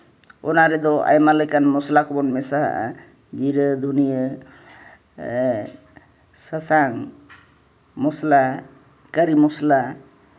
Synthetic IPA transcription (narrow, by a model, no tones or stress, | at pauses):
ɔnaɾɛd̪ɔa̰jmaləkanmɔslakɔbɔnmɛsa̰ | d͡ʒiɾəd̪ʱunijə | səsaŋ | mɔsla | kəɾimɔsla